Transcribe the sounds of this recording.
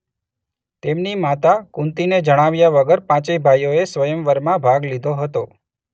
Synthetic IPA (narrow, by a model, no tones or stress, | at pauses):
t̪emnimat̪akũnt̪ined͡ʒəɽ̃aʋjaʋəɡəɾpãt͡ʃebʱajoesʋəjəmʋəɾmãbʱaɡlid̪ʱoɦət̪o